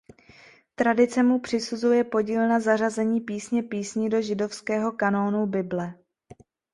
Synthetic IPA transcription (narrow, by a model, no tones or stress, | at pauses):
t̪ɾadɪt͡sɛmupr̝̥ɪsuzujɛpo̞ɟiːlnazar̝azɛɲiːpiːsɲɛpiːsɲido̞ʒɪdo̞fskɛːɦo̞kano̞ːnubɪblɛ